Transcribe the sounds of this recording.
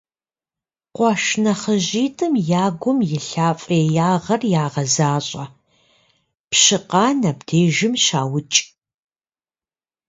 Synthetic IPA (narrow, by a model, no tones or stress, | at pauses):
qʷɑʃnɐχəʑiːtʰʼɨmjaːɡʷʊmjɪɬaːfʼɐɛjaːʁɐrjaːʁɐzaːɕʼɐ | pɕɪqɑːnɐbd̥ʰeːʒɪmʃa̰ːwʊt͡ʃʼ